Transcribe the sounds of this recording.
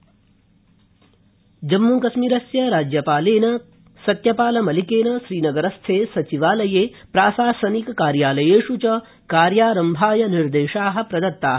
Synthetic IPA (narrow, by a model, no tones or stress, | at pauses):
d͡ʒɐmːuːkɐsmiːɾɐsjɐɾaːd͡ʒjɐpaːleːnɐ | sɐt̪jɐpaːlɐmɐlikeːnɐʃɾiːnɐɡɐɾɐst̪ʰeːsɐt͡ʃiʋaːlɐjeːpɾaːsaːsɐnikɐkaːɾjaːlɐjeːʂut͡ʃɐ | kaːɾjaːɾɐmbʱaːjɐniɾd̪eːʃaːɦɐ̆pɾɐd̪ɐt̪ːaːɦɐ